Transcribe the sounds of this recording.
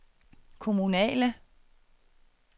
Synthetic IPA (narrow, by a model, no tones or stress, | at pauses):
kʰomunɛ̰ːlə